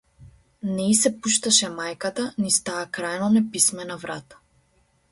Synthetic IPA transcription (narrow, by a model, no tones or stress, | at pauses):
nɛisɛpuʃt̪aʃɛmajkat̪anist̪aːkɾajnɔnɛpismɛnavɾat̪ḁ